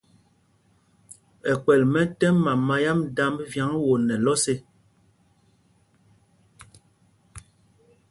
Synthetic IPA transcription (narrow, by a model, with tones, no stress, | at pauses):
ɛ˨kɛ˨lmɛ˦tɛ˦ma˨ma˨ja˦mda˦m˦vja˨˦ŋwo˨nɛ˨lɔ˦se˦